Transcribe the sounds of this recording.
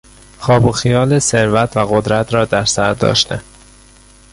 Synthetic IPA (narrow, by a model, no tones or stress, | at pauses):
xɒːboxijɒːlese̞ɾvæt̪ʰvæɣod̪ɾæt̪ʰɾɒːd̪æɾsæɾd̪ɒ̰ːʃt̪ʰe